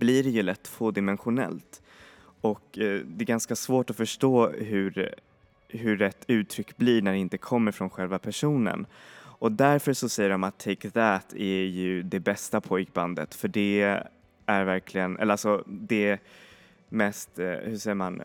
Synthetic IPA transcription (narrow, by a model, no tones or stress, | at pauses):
b̥liɾɛjɵlɛt̪ːfoːd̪ɪmɛnɧʊnɛ̰lt̪ | ɔkd̪ɛɛɾɡanskasvoːʈɔfœʂʈoːɦɵɾ | ɦɵɾɛt̪ʰːʉ̟ːt̪ʰɾʏkːbliɳæɖɛɪnt̪əkʰɔmːəɾfɾɔnɧɛlvapʰæʂuːnə̰nɔd̪æɾfœʂɔsɛjːəɖɔmat̪ʰːɛkðæːt̪ʰæjɵd̪ɛbɛst̪apʰɔjkba̰nd̪ə̰t̪fœɖɛ | æɾvæɾkʰlɪɡənʔɛ̰lalsɔd̪ɛ | mɛst̪hɵʂɛjːəɾman